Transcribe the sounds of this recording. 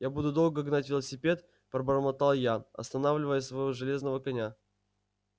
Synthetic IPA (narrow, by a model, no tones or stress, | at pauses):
jabud̪ʊd̪o̞lˠɡəɡnatʲvʲɪlˠəsʲɪpʲe̞t̪ | pɾəbəɾəmɐt̪alˠjanɐ̰st̪ɐnavlʲɪvəjəsvɐjvoʐɨlʲe̞znəvəkɐnʲa